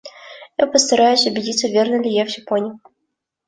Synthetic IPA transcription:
japəst̪ɐɾajʊsʲʊbʲɪdʲit̪sːəvʲernəlʲɪjavʲʒʲɪponʲj

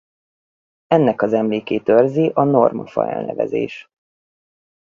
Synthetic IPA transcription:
ɛnːɛkɒzɛmleːkeːt̪ørziʔɒno̞rmɒfɒ̰ɛlnɛvɛzḛːʃ

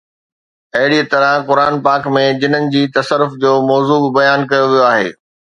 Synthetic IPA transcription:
ɐɦɪɽiət̪ɐɾə̃kʊɾaːnpaːkmẽd͡ʑɪnənɪ̆d͡ʑiːt̪ɐsəɾʊfd͡ʑoːmɔːzuːbbɐjaːnkɐjoʋijoaːɦḛː

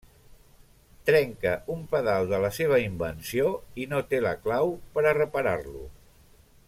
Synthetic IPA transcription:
t̪ɾɛŋkəumpəðalˠd̪ələseβ̞əimbənsioinot̪eləklawpəɾərəpəɾarlṵ

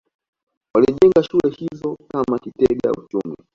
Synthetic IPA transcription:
waliʄɛŋɡaʃulɛhizɔkamakitɛɡa̰ut͡ʃumi

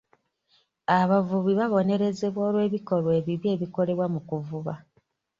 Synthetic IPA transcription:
aβavuβiβaβo̞ne̞ɾe̞ze̞βwoːlwe̞ːβiko̞ɾwe̞ːβiβje̞ːβiko̞le̞βwamukuvuβa

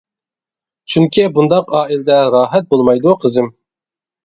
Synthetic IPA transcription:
t͡ʃʰyŋkʲʰibund̪ɑqɑːilɛd̪ɛɾɑːɦɛt̪̚bolˠmɑjd̪uqʰəzɪm

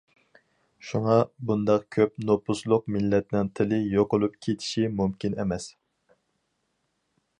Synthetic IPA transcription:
ʃuŋɑbund̪ɑq̚kʲʰøpnopuslˠʊq̚mɪlːɛt̪nɪŋt̪ʰɪlɪjoqolˠup̚kʲʰet̪ʰi̥ʃimumkʲinemɛs

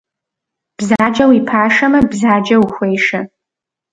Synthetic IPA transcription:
b̥zaːd͡ʒɐwipʰaːʂɐmɐbzaːd͡ʒɐwxʷejʂɨ

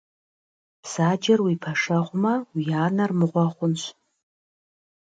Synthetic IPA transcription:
pʰsad͡ʒarwipʰaʂaʁʷmawijaːnarmɨʁʷaχʷʊnʃʷʰ

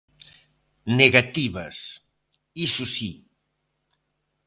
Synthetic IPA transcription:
neɣat̪iβɐs | isusi

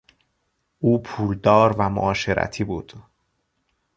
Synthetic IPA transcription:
ʔuːpʰuːld̪ɒːɾvæmo̰ʔɒːʃe̞ɾæ̰t̪ʰiːbuːd̪̥

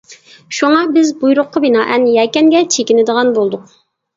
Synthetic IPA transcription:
ʃuŋɑbɪzbujɾʊqʰːəbinɑːʔɛnjɛkʲɛnɡʲɛt͡ʃʰekʲinɪd̪əʁɑnbolˠd̪ʊq̚

